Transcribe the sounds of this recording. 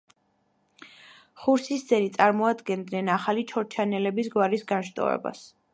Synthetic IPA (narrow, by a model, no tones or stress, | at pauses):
χuɾsisd̪zɛnit̪sʼaɾmɔad̪ɡɛnd̪nɛnaχalit͡ʃʰɔɾt͡ʃʰanɛlɛbisɡwaɾisɡanʃt̪ʼɔ̰vɛ̰ba̰s